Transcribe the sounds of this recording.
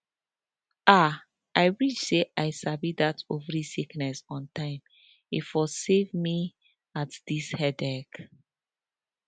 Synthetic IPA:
a | aɪɹit͡ʃseʔaɪsabidatovɹisiknɛsɔ̃ntãɪ̃m | ifɔsevmi | atd̥ishɛdɛk

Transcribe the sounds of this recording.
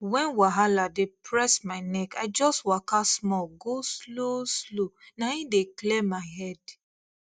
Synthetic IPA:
wɛ̃nwaɦaladepɹɛsmaɪnɛkaɪd͡ʒɔstwakasmɔlɡosloslonaĩdeklemaɪɦɛd̥

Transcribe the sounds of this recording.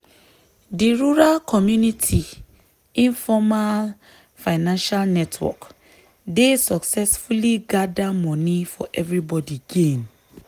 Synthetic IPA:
diɹuɹalkʰɔmjunitʰi | ĩnfɔmal | faɪnãnʃalnɛtʰwɔ̰k | desɔksɛsfuliɡadamɔ̃nifɔ̰ʔɛvɹibɔdiɡẽn

